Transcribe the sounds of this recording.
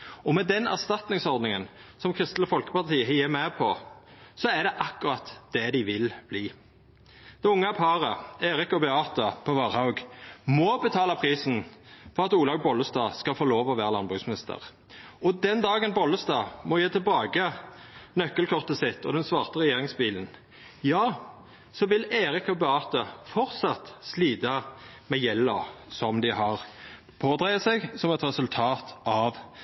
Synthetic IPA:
ɔmɛd̪ɛnæ̰ʁst̪ɑt̪nɪŋsɔʁd̪nɪŋənsɔmkʰʁɪst̪l̩əfɔlkə̥pɑʁt̪ʰiːəɦɪːmɛpʰɔ | sɔæd̪ɛʔɑkːʊʁɑt̪d̪̥ɛd̪ɪʋɪlb̥liː | d̪̥ɛʊŋːəpʰɑɾəeːɾɪkɔbɛɑːt̪ʊpʰɔʋɑʁhɑʊɡmɔbət̪ʰɑːlɑpʰʁiːsn̩fʰɔʁɑt̪uːlɑɡ̚bɔlːəst̪ɑːskɑfoːloːʋɔʋæːʁəlɑnbʁʉːsmɪnɪst̪ʰə̰ʁ | ɔd̪ɛnd̪ɑːɡənbɔlːəst̪ɑːmɔjeːt̪ʰɪlbɑːɡənœkːəlkʰɔʁt̪əsɪt̪ːɔ̰d̪ɛnsʋɑːʁt̪əʁɛjeːʁɪŋsbiːlən | jɑː | sɔʋɪleːɾɪkɑbəɑːt̪əfɔʁt̪sɑt̪sliːd̪ɑ | mɛjɛlːɔsɔmd̪ɪhɑʁ | pʰoːd̪ʁɛɪɑsɛɡsɔmɛt̪ɾɛsʉlt̪ʰɑːt̪ɑʋ

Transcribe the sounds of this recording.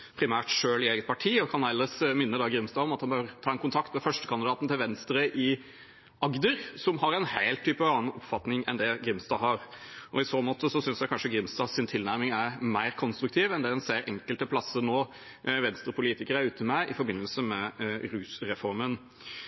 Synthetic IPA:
pʰɾɪmæːʈʂøːlɪeːɡət̪̚pʰɑʈʰiːɔkʰɑnæɪləsmɪnːəd̪ɑɡɾɪmst̪ɑːɔmɑt̪hɑnbøːɾt̪ʰɑːɛnkʊnt̪ʰɑkt̪mɛfœʂʈəkʰɑnd̪ɪd̪ɑːt̪n̩t̪ʰɪlʋɛnst̪ɾəʔɪ | ɑɡd̪əɾsɔmɦɑɾɛnhæɪlt̪ʰːyːpəɑːn̩ɔpfɑt̪nɪŋɛ̰nd̪ɛɡɾɪmst̪ɑːɦɑɾʔɔɪsoːmɔːt̪ʰːəsɔsʏnsjæɪkʰɑnʂəɡɾɪmsd̪ɑːsɪnt̪ʰɪlnæɾmɪŋæɾmæɪɾkʰɔnst̪ɾʉk̚t̪ʰiːʋɛnd̪ɛd̪ɛnseːɾɛŋkəlt̪əpʰlɑsːəɾnoː | ʋɛnst̪ɾəpʊliːt̪ɪkəɾæɾʉːt̪əmɛʔɪfɔɾbɪnːəlsəmɛɾʉːsɾɛfɔɾmən

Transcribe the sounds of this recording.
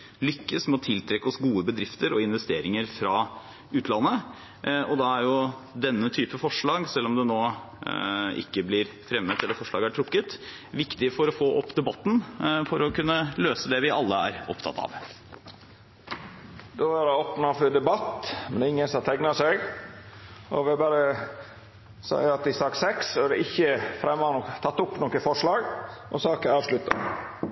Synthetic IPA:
lʏkːəsmɛɔt̪ʰɪlt̪ʰɾɛkːəɔsɡuːəbəd̪ɾɪft̪əɾɔɪnʋɛst̪eːɾɪŋəɾfɾɑ | ʉːt̪lɑnːə | ɔd̪ɑæɾjʊd̪ɛnːət̪ʰyːpəfɔʂɭɑːɡsɛlːɔmd̪ɛnoː | ɪ̰kːəblɪɾ | fɾɛmːət̪ɛlːəɾfɔʂlɑ̰ːɡæʈʰɾʊkːət̪ | ʋɪkt̪ɪfɔɾɔfoːʔɔpːd̪ɛbɑt̪ːnfɔɾɔkʉnːəløːsəd̪ɛʋɪʔɑlːəæ̰ɾɔpt̪ʰɑ̰t̪ʰɑ̰ːʋ | d̪oʋɑɾɑoːpnɑfɔd̪ɛbɑt̪mɛnɪŋːənsɔt̪ʰɛŋnɑsɛɡ | ʔɔ̰ʋɪbɑɾə | sɑ̰jɑt̪ɪsɑːksɛksɔɑɖɛɪçːəfɾɛmːɑnot̪ʰɑt̪ːʊpnoːkəfɔʂɭɑːɡʔɔsɑːkəɑːʋʂlʉt̪ːɑ̰

